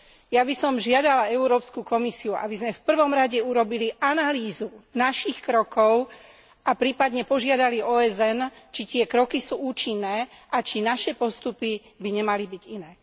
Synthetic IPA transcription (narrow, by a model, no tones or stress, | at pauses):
jabisɔmʒɪad̪alaɛʊɾɔːpskukɔmisiuʔa̰bizmɛfpr̩ʋɔmɾaɟɛuɾɔbiliʔanaliːzunaʃixkɾɔkɔʊ | ʔapɾiːpad̪ɲɛpɔʒɪad̪aliɔːɛzɛnt͡ʃit̪ɪɛkɾɔkisuːuːt͡ʃinːɛːʔat͡ʃinaʃɛpɔst̪upi | biɲɛmalibiɟinɛː